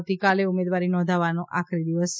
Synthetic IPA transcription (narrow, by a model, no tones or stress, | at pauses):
t̪ikaleumed̪ʋaɾinɔ̃nd̪ʱaʋanõʔa̰kʰɾid̪iʋəs